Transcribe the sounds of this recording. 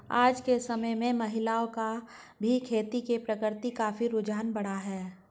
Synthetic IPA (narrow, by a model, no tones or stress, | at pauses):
a̰ːd͡ʒkesɐməjmẽmɐɦɪlaːoka | bʱikʰeːt̪ikepɾɐkɪɾt̪ikaːfiɾʊd͡ʒaːnbɐɽ̤aɦɛː